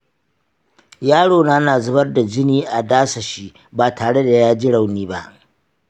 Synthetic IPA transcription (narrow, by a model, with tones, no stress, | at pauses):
jaː˦ɽoː˨naː˦naː˨zʊ˦bɐ˦rda˨d͡ʒɪ˦niː˦ʔa˨daː˦sa˨ʃi˦ | baː˨tʰaː˨ɽe˦da˨jaː˦d͡ʒi˦ɽa˨wniː˦ba˦ʔ